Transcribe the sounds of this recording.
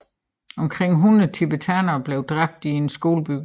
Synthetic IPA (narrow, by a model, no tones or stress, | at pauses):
ɒ̽mkʰʁeŋ̰ɦunɐt͡sʰib̥ət͡sʰænɐb̥le̝ʊd̥ʁab̥̚d̥ie̝nsɡ̥o̝̰ːləb̥yɡ̥